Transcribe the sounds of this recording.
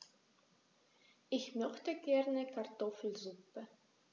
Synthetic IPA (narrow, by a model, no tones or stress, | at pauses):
ʔɪçmœçtəɡɛʁnəkʰaʁtɔfl̩zupə